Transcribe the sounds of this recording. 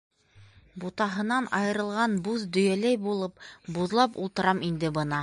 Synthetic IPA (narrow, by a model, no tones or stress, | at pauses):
but̪ɑɦɤ̆nɑnɑjɤ̆ɾɤ̆lˠʁɑnbuzd̪ɵ̆jælæjbulˠɤpbuðlˠɑpulˠt̪ɤ̆ɾɑmind̪ɘbɤnɑ